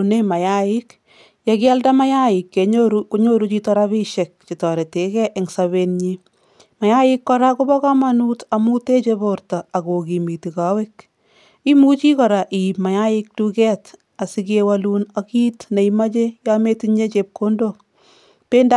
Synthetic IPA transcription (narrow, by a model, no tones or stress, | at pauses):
nemajaɪk | jakɪaldamajaɪkːeoɾukuɲoɾut͡ʃitɔɾaβiʃɛk̚t͡ʃitɔɾetekɛʔɛŋsaβenɲi | majaɪkːɔɾakubɔkamanutamutet͡ʃeboɾtaakokimitikawɪk | imut͡ʃikɔɾaʔimajaɪk̚tukɛt | asikewalunakitneimat͡ʃejametiɲet͡ʃep̚kondo | pend